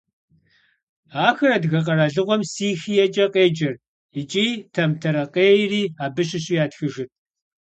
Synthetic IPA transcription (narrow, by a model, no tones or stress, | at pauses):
aːxɐrɐdɣɐq̬ɐɾɐɮɨʁʷɔmsiːxiːjɛt͡ʃʼɐqeːd͡ʒɐr | ɪt͡ʃʼiːtʰɐmtʰɐɾɐqeːjriːaːbɨɕɪɕʼiːjaːtxɨʒɪt̚ʰʼ